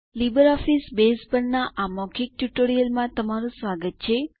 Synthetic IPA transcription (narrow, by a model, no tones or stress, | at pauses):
libəɾɔfisbespənːaʔamɔkʰik̚ʈuʈoɾijəlmãt̪əmaɾũsʋaɡət̪̚t͡ʃʰe